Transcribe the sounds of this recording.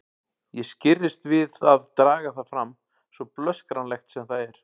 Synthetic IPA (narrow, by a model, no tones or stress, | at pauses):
jɛscɪrːɪst̪vɪðaðt̪ɾaːɣaθaðfɾam | svɔplœskɾanlɛxt̪sɛmθaðɛɾ̥